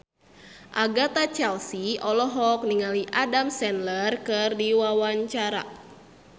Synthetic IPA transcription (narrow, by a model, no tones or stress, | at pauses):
ʔaɡat̪at͡ʃɛlsiɔlɔɦɔk̚niŋaliʔadamsɛnlərkɨrdiwawaɲt͡ʃaɾa̰